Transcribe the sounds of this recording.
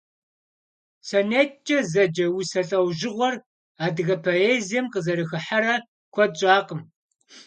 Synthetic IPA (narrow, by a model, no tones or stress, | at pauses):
sɐneːt͡ʃʼɐzɐd͡ʒɐwusɐɬʼɐwʒɪʁʷɔr | aːdɨɣɐpʰoeːzijɛmqəzɐɾɨxɨħaɾɐ | kʷʰɔt͡ʃʼaːqʼəm